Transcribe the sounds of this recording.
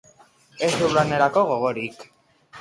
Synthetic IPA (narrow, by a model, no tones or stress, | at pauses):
e̞zðuɾlane̞ɾako̞ɣ̞o̞ɣ̞o̞ɾik